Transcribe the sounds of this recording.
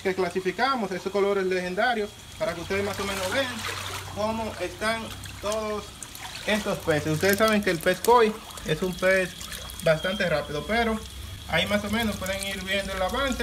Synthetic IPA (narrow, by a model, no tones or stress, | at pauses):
keklasifikamosest̪osko̞lo̞ɾesle̞xe̞nd̪aɾjos | paɾakeust̪e̞ðesmaso̞me̞nozβeaŋko̞moʔe̞st̪aŋt̪oðos | e̞st̪o̞spe̞sesust̪e̞ðesːaβeŋkeːlpeskoj | esumpes | bast̪ant̪e̞rapiðope̞ɾo̞ | a̰imaso̞mẽ̞nospweðeŋiɾβje̞nd̪oelaβanse